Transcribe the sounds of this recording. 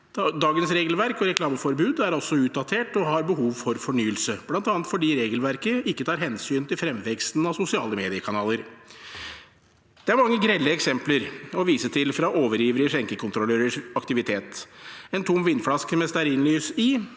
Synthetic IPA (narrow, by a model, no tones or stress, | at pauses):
d̪ɑːɡənsɾeːɡəlʋæɾkɔɾɛklɑːməfɔɾbʉːd̪æɾɔsːɔʉːt̪̚d̪ɑt̪ʰeːʈɔhɑɾbəɦuːʋfɔɾfɔɳyːəlsəb̥lɑnt̪ɑːnt̪fɔɖiːɾeːɡəlʋæɾkəɪkːət̪ʰɑːɾɦɛnsyːnt̪ʰɪlfɾɛmʋɛkst̪nɑʋsʊsɪɑ̰ːləmeːd̪ɪəkʰɑnɑːləɾ | d̪̥ɛæɾmɑŋːəɡɾɛlːəɛksɛmpləɾɔʋiːsət̪ʰɪlfɾɑʔoːʋəɾjiːʋəɾəəʂɛŋkəkʰʊnt̪ɾɔlːøːɾəʂɑkt̪ɪʋɪt̪ʰeːt̪ɛnt̪ʰʊmʋɪnːflɑskmɛst̪æɾɪnlyːsɪ